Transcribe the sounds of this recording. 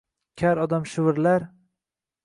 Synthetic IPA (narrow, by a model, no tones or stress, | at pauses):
kʲʰaɾɒd̪amʃɪvɪɾlaɾ